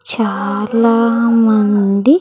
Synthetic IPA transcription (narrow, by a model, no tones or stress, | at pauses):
t͡ʃalamand̪i